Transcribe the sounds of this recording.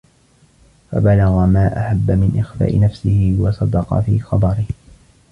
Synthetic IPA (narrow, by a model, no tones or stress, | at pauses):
fa̰balaɣamaːʔaħabːamɪnʔɪxfa̰ːʔɪnafsɪhɪwɑsˤɑd̪ɑqɑ̰fiːxɑd̪ˤɑɾɪh